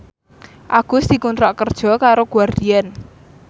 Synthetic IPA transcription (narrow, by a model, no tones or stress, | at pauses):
ʔakṳsd̪̥i̤kunt̪ɾaʔkərd̥ʒ̥ɔ̤kaɾoɡ̥uard̥iɛn